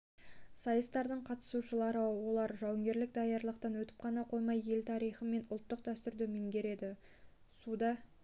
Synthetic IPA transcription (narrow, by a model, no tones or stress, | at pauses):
sɑjəst̪ɑɾd̪əɴqʰɑt̪ə̥suʃəlˠɑɾəwo̞lˠɑɾʒɑwəŋɡʲe̞ɾlɪk̚d̪ɑjɑɾlˠəqt̪ɑnwɵt̪ɪ̥p̚qʰɑnɑqʰo̞jmɑje̞lt̪ʰɑɾijχəme̞nʊlˠt̪ːəq̚d̪æst̪ʏɾd̪ɪmeŋɡʲe̞ɾe̞d̪ɪ | sud̪ɑ